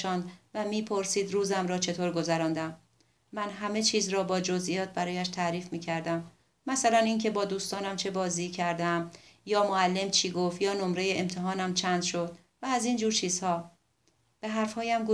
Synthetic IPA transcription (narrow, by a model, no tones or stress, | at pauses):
ʃɒːnd̪væmiːpʰo̞ɾsiːd̪ɾuːzæmɾɒːt͡ʃʰe̞t̪ʰoːɾɡo̞zæɾɒːnd̪æmː | ænɦæme̞t͡ʃʰiːzɾɒːbɒːd͡ʒo̞zʔijɒːt̪̚ʰbæɾɒːjæʃt̪ʰæɾiːfmiːcʰæɾd̪æmː | æsælæniːncʰe̞bɒːd̪uːst̪ɒːnæmt͡ʃʰe̞bɒːziːcʰæɾd̪æmjɒːmoælːe̞mt͡ʃʰiːɡo̞ft̪jɒːno̞mɾe̞jeemt̪ʰeɦɒːnæmt͡ʃʰænd̪̥ʃo̞d̪ | væːziːnd͡ʒuːɾt͡ʃʰiːz̥hɒː | b̥e̞ɦæɾfhɒːjæmɡu